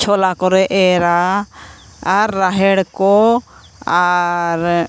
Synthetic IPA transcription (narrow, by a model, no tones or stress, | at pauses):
t͡ʃʰɔlakɔɾɛʔɛɾa | aɾːaɦɛɽkɔ | aɾ